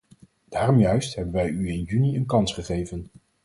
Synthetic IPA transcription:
d̥aːrɔmjœɥstɦɛbənʋɛjyɪnjyniənkɑnsχəχejvən

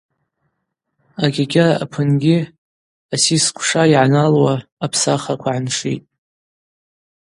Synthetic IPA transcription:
aɡʲaɡʲaa̰pʰɨnɡʲɪ | asiskʷʰʂaiʕanalwaːpʰsaχakʷʰaʕanʂḭtʼ

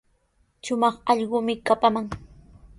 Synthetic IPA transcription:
ʃʊmɑχɑʎɢʊmɪkapamaŋ

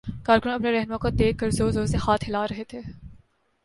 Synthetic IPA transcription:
kaːɾkʊnɐpneɾɛɦnmãkod̪eːkːɐɾzoːzoːsehaːt̪hɪlaːɾɐɦet̪ʰeː

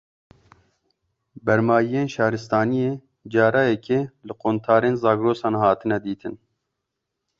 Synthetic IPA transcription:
bɛɾmɑːjijeːnʃɑːɾɨst̪ɑːnijeː | d͡ʒɑːɾɑːjɛkʰeːlɨqoːnt̪ʰɑːɾeːnzɑːɡɾoːsɑːnhɑːt̪ʰɨnɛd̪iːt̪ʰɨn

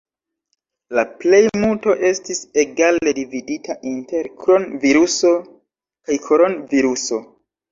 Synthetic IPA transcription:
laple̞jmulto̞ʔe̞stise̞ɡale̞dividitʰaʔinte̞ɾkɾonviɾuso̞ | kajkʰo̞ɾo̞nviɾuso̞

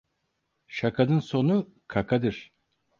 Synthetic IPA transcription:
ʃakʰad̪ɯnso̞nu | kʰakʰad̪ɯɾ̥

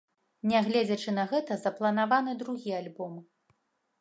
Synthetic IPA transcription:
nʲɛɣlʲɛd͡zʲɐt͡ʂɨnɐɣɛt̪ɐzɐplˠɐnavanɨd̪ɾuɣʲialʲbɔmɨ

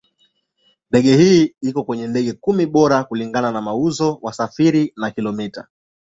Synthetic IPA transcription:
ndɛɠɛhiːikɔkwɛɲɛndɛɠɛkumiɓɔɾakuliŋɡananamauzɔwasafiɾinakilɔmita̰

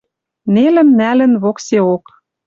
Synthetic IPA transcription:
nelɘ̆mnælɘ̆nβokseok

